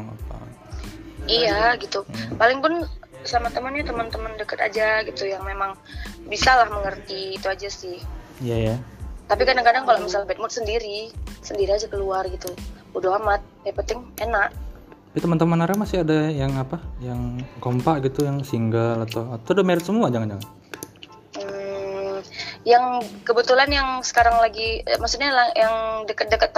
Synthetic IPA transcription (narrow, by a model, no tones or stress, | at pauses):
ŋa̰pa̰ | ijaɡit̪upalɪŋpʊn | samat̪əmənɲat̪əmənt̪əməndəkət̪a̰d͡ʒaɡit̪ujaŋmemaŋ | bisalahməŋərt̪iːt̪uad͡ʒasɪhijajat̪apikadaŋkadaŋkaloʔmisalbɛt̪̚mʊt̪̚səndiɾisəndiɾiad͡ʒakəluarɡit̪u | udaɦamat̪̚djapənt̪ɪŋenaʔ̪apit̪əmant̪əmanaɾamasɪadajaŋapajaŋkompaʔɡit̪ujaŋsiŋɡalat̪awat̪aadameɾɪt̪̚səmuad͡ʒaŋand͡ʒaŋan | m̩ | jaŋkəbət̪ulanjaŋsə̥kaɾaŋlaɡimaksut̪̚ɲalajaŋdəkət̪̚dəkət̪ː